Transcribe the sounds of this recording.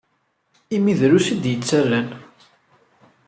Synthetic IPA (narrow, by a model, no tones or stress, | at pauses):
imiðɾusid̪jət͡sːærːæn